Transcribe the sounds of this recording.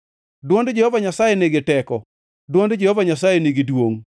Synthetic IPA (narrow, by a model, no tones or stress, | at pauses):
dwondd͡ʒehɔvaɲasajeneɡɪtɛkɔ | dwondd͡ʒehɔvaɲasajeneɡɪdwoŋ